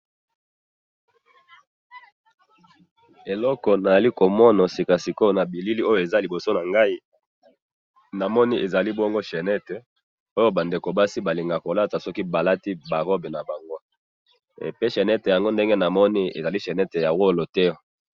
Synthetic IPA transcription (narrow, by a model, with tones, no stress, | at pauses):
e˨lɔ˦kɔ˨na˨za˨li˦ko˨mɔ˦nɔ˨si˨ka˨si˨ko˦˨na˨bi˨li˦li˦o˦jo˨e˨za˦li˨bo˨so˦na˨ŋɡa˦i˦ | na˨mɔ˦ni˦ʔe˨za˨li˦bɔ˦ŋɡo˦ʃe˨nɛ˦te˨ | o˦jo˦ba˨nde˨ko˨ba˦si˦ba˨li˨ŋɡa˨ko˨la˦ta˨sɔ˦ki˦ba˨la˦ti˦ba˨ʁɔ˦be˨na˨ba˨ŋɡo̰˦˨ | pe˦ʃe˨nɛ˦te˨ja˨ŋɡo˦nde˦ŋɡe˦na˨mɔ˦ni˦ḛ˨za˨li˦ʃe˨nɛ˦te˨ja˨wo˦˨lo˨tɛ˦˨